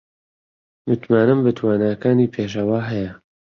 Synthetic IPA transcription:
mɨt̪maːnɨmbɨt̪ʰwaːnaːkaːniːpʰeːʃ̬ɐwaːɦɛjɐ

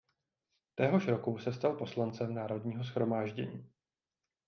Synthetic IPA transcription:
t̪ɛɦo̞ʃɾo̞kusɛst̪alpo̞slant͡sɛmnaːɾo̞dɲiːɦo̞s̬xɾo̞maːʒɟɛ̰ɲiː

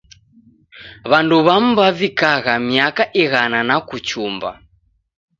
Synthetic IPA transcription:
βanduβam̩βavikaɣamiakaʔiɣananakut͡ʃumba̰

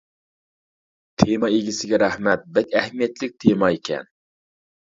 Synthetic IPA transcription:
t̪ʰemɑeɡʲisɪɡʲɛɾæhmɛt̪̚bɛkʲɛhmijɛt̪lɪk̚ʲt̪ʰemɑekʲʰɛ̰n

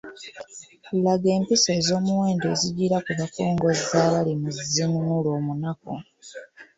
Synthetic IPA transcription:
kulaɡe̞ːmpise̞ːzo̞ːmuwe̞ːnde̞ːziɟiɾakuβako̞ːŋɡo̞zaːβalimuzinunulo̞ːmunako̰

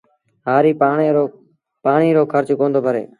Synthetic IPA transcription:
ɦaːɾiːpaːɳo | paːɳiːɾoːkʰəɾt͡ʃkõːnd̪oːbʱəɾḛː

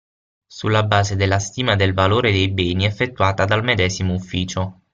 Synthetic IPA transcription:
sulːabaːzed̪elːast̪iːmad̪elvaloːɾed̪ejbɛːniɛfːet̪ːuaːt̪ad̪almed̪ɛːzimoufːiːt͡ʃo

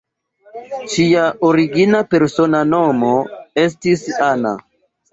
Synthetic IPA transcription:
ʃiaʔoɾiɡinape̞ɾso̞nano̞moe̞s̬tisana̰

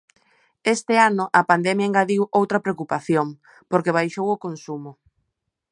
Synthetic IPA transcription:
est̪ɪanʊʔɐpand̪ɛmjaeŋɡaðiwowt̪ɾɐpɾeokupaθjoŋ | poɾkeβ̞ajʃowʊkonsumʊ

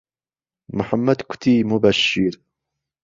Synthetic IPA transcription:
mʊħamːad̪kʊ̥t̪imʊbaʃːɪɾ

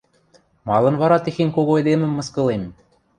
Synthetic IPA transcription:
mɑlˠɤ̆nβɑɾɑt̪ĕxenʲkoɣoed̪emɘ̆mːɤ̆skɤ̆lem

